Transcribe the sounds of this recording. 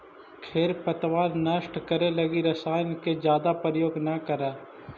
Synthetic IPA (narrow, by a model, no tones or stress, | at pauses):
kʰeːɾpət̪waːɾnəʃʈkəɾelɐɡiɾɐsaːjnked͡ʒjaːd̪apɾəjoːɡnɐkəɾaː